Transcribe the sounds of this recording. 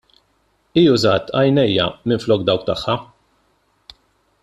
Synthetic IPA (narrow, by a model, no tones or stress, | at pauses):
iːʊzɐːt̪ɐ̰jnɛjːɐ̰mɪnflɔːk̚d̪ɐwk̚t̪ɐħːɐ